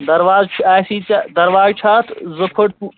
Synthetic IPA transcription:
d̪ɐɾʋaːzt͡ʃʰaːsiːt͡sad̪ɐɾʋaːzt͡ʃʰaːt̪ʰzɐpʰəʈpu

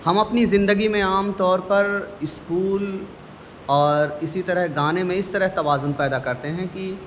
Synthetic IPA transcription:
hɐmɐpnizɪ̃nd̪əɡimẽaːmt̪ɔːɾpɐɾɪskuːl | ɔːɾɪsit̪ɐɾəɦɡaːnemẽɪst̪ɐɾəɦt̪ɐbaːzʊnpɛːd̪akɐɾt̪eɦɛ̃ki

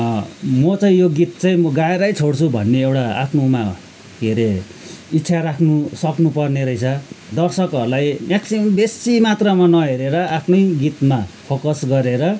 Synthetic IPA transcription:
mʌt͡saĩjoɡit̪̚t͡saĩmʌɡaeɾajt͡sʰoɽt͡sʰubʱʌ̰nːeewʈaa̰pʰnoma | ɡʱeɾe | itːsʰaɾakʰnusʌknupʌrneɾʌjt͡sʰʌd̪ʌrsʌkʌɾulajmaksibesimat̪rʌmanʌɦeɾeɾʌapʰnʌjɡit̪mapʰokʌsɡʌɾeɾʌ

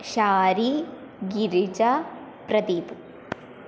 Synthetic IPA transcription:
ʃaːɾi | ɡiɾit͡ʃɐ | pɾɐd̪iːpɨ

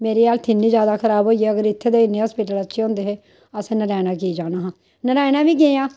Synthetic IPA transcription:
meːɾiːaːlt̪ʰɪnːĩːd͡ʒjaːd̪aːkʰəɾaːbɦoːieːəɡəɾɪt̪ʰːeːd̪eːɪnːeaspɪʈələt͡ʃːʃʰeõːnd̪eːɦeː | əsẽːnəɾɛːnaːk̬iːd͡ʒaːnaːɦãː | nəɾɛːnãːʋiːɡeːãː

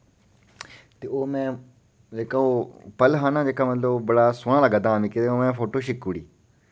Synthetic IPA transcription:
t̪eoːmɛ̃ː | d͡ʒeːkaoːpəlɦaːnãːd͡ʒeːkaːmət̪ləbbəɽaːsʊːɽ̃ãːlaɡad̪ãːmĩːket̪eomɛ̃ːfoːʈoːʃɪkuːɽḭː

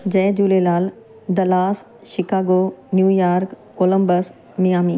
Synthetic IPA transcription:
d͡ʑɛːd͡ʑuːlelaːl | d̪ɐlaːs | ʃɪkaːɡoːnjuːjaːɾkːoːlə̃mbəs | mijaːmiː

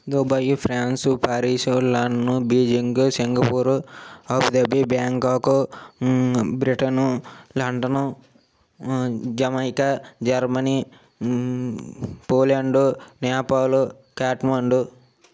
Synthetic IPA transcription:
d̪ubɐjupʰɾaːnsupaːɾiːsulɐɳɖɐnubiːd͡ʒiŋɡusiŋɡɐpuːɾuɐbd̪ɐbibjaːŋkaːku | bɾiʈɐnulɐɳɖɐnu | d͡ʒɐmɐjkɐd͡ʒɐɾmɐni | poːlɐɳɖunɛːpaːlu | kaːʈmɐɳɖu

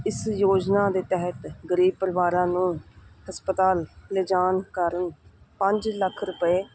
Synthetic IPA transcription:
ɪsjoːd͡ʒnaːd̪eːt̪ɛɦət̪ɡəɾiːb̚pəɾʋaːɾãːnũːhəspət̪aːlled͡ʒaːnkəɾən | pəɲd͡ʒləkʰɾʊpəeː

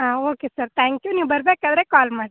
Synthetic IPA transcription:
ɦãːoːkesɐɾt̪ʰaːŋkjuniːʋbɐɾbeːkaːd̪ɐɾeːkaːlmaːɽ

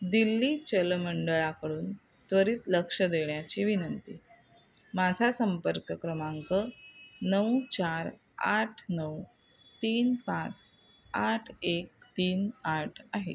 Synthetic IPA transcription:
d̪ilːiːt͡ɕəlməɳɖəɭakəɽuːn | t̪ʋəɾiːt̪ləkʂəd̪eɭjat͡ɕiʋinənt̪iː | mad͡zʱasəmpəɾkəkɾəmaŋkənəwt͡ɕaɾ | a̰ʈʰnəw | t̪iːnpãt͡s | aʈʰek̚t̪iːnaʈʰaɦḛ

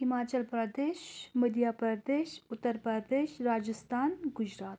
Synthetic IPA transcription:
hɪmaːt͡ʃəlpɾɐd̪eːʃməd̪jaːpɾɐd̪eːʃʊt̪ːəɾpɾɐd̪eːʃɾaːd͡ʒəst̪aːnɡʊd͡ʒɾaːt̪

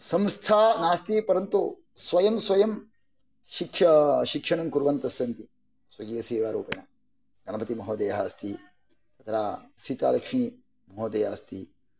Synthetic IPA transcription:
sɐmst̪ʰaːnaːst̪ipɐɾɐnt̪u | sʋɐjɐmsʋɐjɐm | ʃikʂɐʃikʂɐɳɐmkuɾʋɐnt̪ɐsjɐnt̪i | sʋɐɡiːɐsiːʋaːɾuːpɐnɐ | ɡʱɐnɐbɐt̪imɐɦoːd̪eːjɦaːst̪i | t̪ɐt̪ʰɾaːsit̪aːlɐkʂmiː | mɐɦoːd̪eːɦaːst̪i

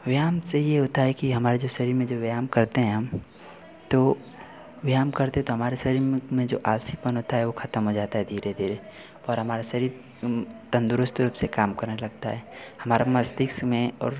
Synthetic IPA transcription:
ʋjaːmsejeɦoːt̪aɦɛkiɦɐmaːɾed͡ʒoːsɐɾiːɾmẽd͡ʒoːʋjaːmkɐɾt̪eɦɛ̃ɦɐm | t̪o | ʋjaːmkɐɾt̪ẽɦɛ̃t̪oɦɐmaːɾesɐɾiːɾmẽd͡ʒo̰ːʔaːlsipənɦoːt̪aɦɛʋoxʰɐt̪əmɦod͡ʒaːt̪aɦɛd̪ʱiːɾed̪ʱiːɾe | ɔːɾɦɐmaːɾasɐɾiːɾ | t̪ɐ̃nd̪ʊɾʊst̪ɾuːpsekaːmkɐɾnelɐɡ̚t̪aɦɛːhɐmaːɾamɐst̪ɪksmẽɔ̰ːɾ

